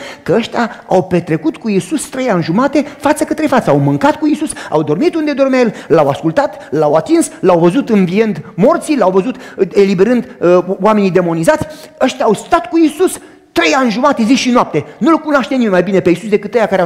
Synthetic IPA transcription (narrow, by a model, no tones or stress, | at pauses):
kəəʃt̪ʲaa̰wpe̞t̪ɾe̞kut̪kuisust̪ɾe̞janʲʒumat̪e̞fat̪səkət̪ɾe̞fat̪səawmɨŋkat̪kuisusa̰wd̪o̞rmit̪und̪e̞d̪o̞rmʲajellawaskult̪at̪lawat̪inslawvəzut̪ɨnviend̪mo̞rt̪silawvəzut̪e̞libe̞ɾɨnd̪oame̞nid̪e̞mo̞nizat̪sʲəʃt̪ʲaːwst̪at̪kuisus | t̪ɾe̞janʲʒumat̪e̞ziʃinoap̚t̪e̞nulkunoaʃt̪enimemajbine̞peisus̬d̪e̞kɨt̪ːejakaɾe